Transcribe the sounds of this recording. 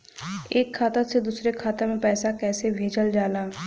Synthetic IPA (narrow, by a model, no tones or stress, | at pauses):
eːkʰːaːt̪əɾsed̪uːsɾekʰaːt̪əɾmẽpɛːsakɛːsebʱeːd͡ʒəld͡ʒaːlaː